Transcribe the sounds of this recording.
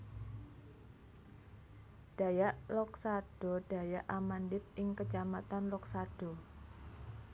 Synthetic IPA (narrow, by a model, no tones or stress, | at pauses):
d̥a̤jaʔlɔksaɖ̥ɔ̤ɖ̥a̤jaʔamandɪt̪̚ʔɪŋkət͡ʃamat̪anlɔksad̥ɔ̤